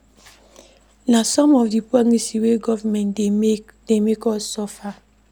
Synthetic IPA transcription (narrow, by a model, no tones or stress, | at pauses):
nasɔmɔfdipɔnisiweɡɔvamɛ̃n | demekɔsɔfa